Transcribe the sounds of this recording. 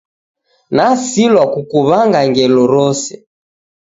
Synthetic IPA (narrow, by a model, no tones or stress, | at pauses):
nasilwakukuβaŋɡaŋɡɛlɔɾɔsɛ